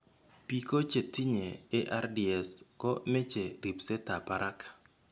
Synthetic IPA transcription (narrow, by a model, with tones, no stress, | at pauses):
pi˦ko˦t͡ʃe˨ti˦ɲeː˨˦ʔa˦rdi˨ɛ˨skɔ˦me˦t͡ʃe˨ɾi˨pse˦ta˨pa˨ɾʔa˦kḁ˨